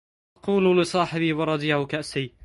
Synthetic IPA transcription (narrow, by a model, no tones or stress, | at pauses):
ʔɑquːllɪsˤɑːħɪbɪːwɑɾˤɑd̪ɪjahʊkaʔsɪː